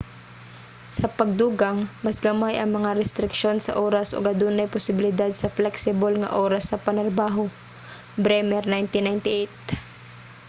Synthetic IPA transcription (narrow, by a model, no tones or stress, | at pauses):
sɐpɐɡ̚d̪uːɡaŋmɐsɡɐmajʔɐŋmɐŋaɾɛst̪ɾɪkʃo̞nsɐ̰ʔoːɾasʔo̰ɡɐd̪uːnajpʊsɪbɪlɪd̪ad̪̚sɐflɛksɪbolŋɐ̰ʔoːɾɐsːɐpɐnɾɐbaːɦo | bɾɛmɛɾnajnt̪ɪnajnt̪ɪʔejt̪̚